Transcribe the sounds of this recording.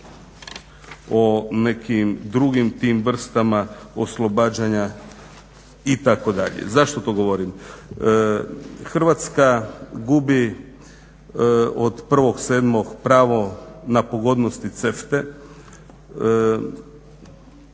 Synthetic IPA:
one̞kimd̪ɾuɡimt̪iːmʋr̩st̪amaoslˠo̞baːd͡ʑaɲa | it̪ako̞d̪a̰ʎḛzaʃt̪ot̪oɡoʋoɾim | xr̩ʋat̪skaɡubi | od̪pr̩ʋo̞ɡseːd̪mo̞ɡpɾaːʋo̞napoɡo̞d̪nost̪it̪seft̪e̞

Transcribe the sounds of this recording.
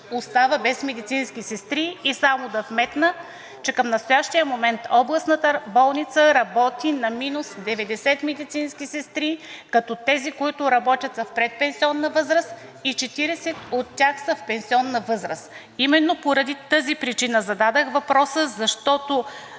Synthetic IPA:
ost̪avəbɛsmɛd̪it̪sinskʲisɛst̪ɾiːsamod̪ɐfmɛt̪nə | t͡ʃɛkəmnɐst̪ojaʃt̪ijəmomɛnt̪ɔblˠəsnət̪əbɔlˠnit̪səɾɐbɔt̪inɐminusd̪ɛvɛd̪ɛsɛt̪mɛd̪it̪sinskʲisɛst̪ɾikɐt̪ɔt̪ɛzikoit̪ʊɾɐbɔt̪ʲɐt̪səfpɾɛt̪̚pɛnsiɔnːɐvɤzɾəs | it͡ʃɛt̪iɾɛsɛt̪ot̪ːʲaxsəfpɛnsiɔnːɐvɤzɾəs | imɛnːopoɾɐd̪it̪əzipɾit͡ʃinəzɐd̪ad̪əxvɐpɾɔsəzɐʃt̪ɔt̪o

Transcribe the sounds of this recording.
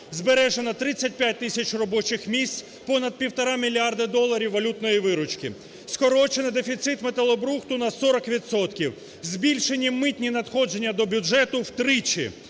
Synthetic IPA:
zbeɾɛʒenɐt̪ɾɪt͡sʲːɐt̚ʲpʲjat̚ʲt̪ɪsʲɐt͡ʃrɔbɔt͡ʃɪxmʲisʲt͡sʲ | pɔnɐd̪̚pʲiwt̪ɔɾɑmʲilʲiard̪ɐd̪ɔlˠɐɾʲiwːɐlʲut̪nɔjiʋɪɾʊt͡ʃkʲḭ | skɔɾɔt͡ʃenɪd̪efʲit̪sɪt̪met̪ɐlˠɔbɾuxt̪ʊnɐsɔɾɔkʋʲidt̪sɔt̪kʲiw | zʲbʲilʲʃe̞nʲːimɪt̪ʲnʲinɐd̪xɔd͡ʒe̞nʲːɐd̪ɔbʲʊd͡ʒɛt̪ʊwt̪ɾɪt͡ʃḭ

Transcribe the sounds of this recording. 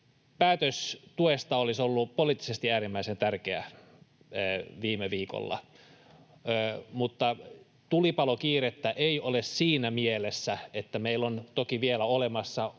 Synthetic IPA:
pæːt̪øst̪uest̪ɑolisolːupoliːˑt̪ːi̥sest̪iæːɾimːæisent̪ærkeæ̰ | ʋiːmeʋiːko̰lːɑ̰ | mut̪ːɑ | t̪ulipɑlokiːret̪ːæʔeiolessiːnæmielesːæet̪ːæmeilont̪okiʋielæolemɑsːɑ

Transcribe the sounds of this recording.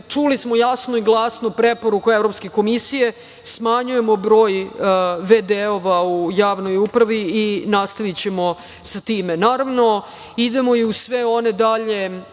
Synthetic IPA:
t͡ʂulismojasnoiɡlˠasnopɾepoɾukuevɾopske̞ko̞misije̞ | smaɲuje̞mo̞bɾo̞ːjʋed̪eoʋaujaːʋno̞jupɾaʋiinast̪aʋit͡ɕe̞mo̞ | sat̪iːmenaːɾaʋno̞ | id̪emo̞iusʋeo̞ne̞d̪aʎe̞

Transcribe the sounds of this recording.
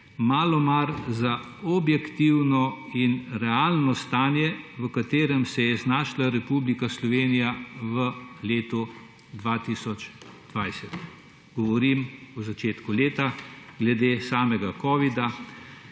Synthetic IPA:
maːlɔmaɾza | ɔbjɛkt̪iwnɔinɾɛaːlnɔst̪aːnjɛʋəkat̪eːɾɛmsɛjɛznaːʃlaɾɛpublikaslɔʋeːnijaʋəleːt̪u | d̪ʋat̪isɔt͡ʃ | d̪ʋajsɛt̪ | ɡɔʋɔɾimuzat͡ʃeːt̪kuleːt̪aɡlɛd̪eːsaːmɛɡakɔːʋid̪a

